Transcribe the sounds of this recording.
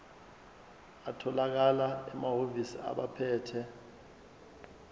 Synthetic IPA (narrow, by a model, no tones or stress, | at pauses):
atʰɔlak̬alaɛmaɦovisia̰ɓapʰɛːtʰɛ